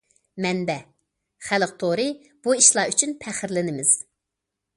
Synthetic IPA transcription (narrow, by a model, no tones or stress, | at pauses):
mɛnbɛ | χælˠəq̚t̪ʰoɾɨ | b̥uiʃlˠɑyt͡ʃʰynpʰæχɪɾlɪnɪmɪz̥